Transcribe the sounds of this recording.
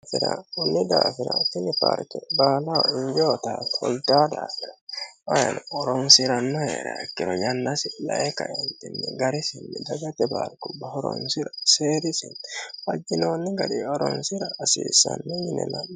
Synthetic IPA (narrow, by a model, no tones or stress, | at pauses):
fɪɾaʊnːɪd̪aːfɪɾɐt̪ɪnɪpaɾkɛbaːlawɔɪɲd͡ʒoːt̪aːt̪hɔlt̪aːd̪aːfɪɾɐwɐjɐnɔɾɔnsɪɾɐnːɔheːɾɐɛkːɪɾɔjɐnːɐsɪlɐʔɛkɐ̰ʔɛnt̪ɪnːɛɡɐɾɪsɪnːɪd̪ɐɡɐt̪ɛba̰ɾkʊbɐhɔɾɔ̰nsɪɾɐseːɾɪsɪnfɐd͡ʒːɪnoːnːɪɡɐd̪ɪɔɾɔnsɪɾɐːsiːsɐnːɛjɪnɛnɐ